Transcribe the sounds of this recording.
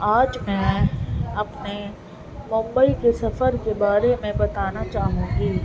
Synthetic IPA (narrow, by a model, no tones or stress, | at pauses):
aːd͡ʒmɛ̃ː | ɐpne | mʊ̃mbəikesɐfəɾkebaːɾemɛ̃bɐt̪aːnat͡ʃaːɦũːɡiː